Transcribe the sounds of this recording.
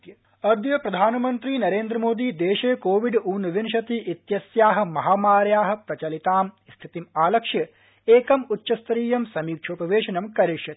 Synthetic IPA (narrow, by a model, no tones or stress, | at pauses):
jɐ | ɐd̪jɐpɾɐd̪ʱaːnɐmɐnt̪ɾiːnɐɾeːnd̪ɾɐmoːd̪iːd̪eːʃeːkoːʋiɖuːnɐʋinʃ̬ɐt̪iʔit̪jɐsjaːɦɐ̆mɐɦaːmaːɾjaːɦɐ̆pɾɐt͡ʃɐlit̪aːm | st̪ʰit̪imaːlɐkʂjɐ | eːkɐmutːʃɐst̪ɐɾiːjɐmsɐmiːkʂʰoːpɐʋeːʃɐnɐmkɐɾiʂjɐt̪i̥